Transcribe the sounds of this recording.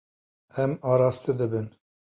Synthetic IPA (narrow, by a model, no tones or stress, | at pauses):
ɛmɑːɾɑːst̪ɨd̪ɨbɨn